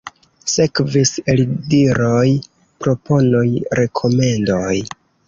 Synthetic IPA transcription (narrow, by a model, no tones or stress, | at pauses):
se̞kviselidiɾoj | pɾo̞pʰo̞nojɾe̞kʰo̞me̞ndoj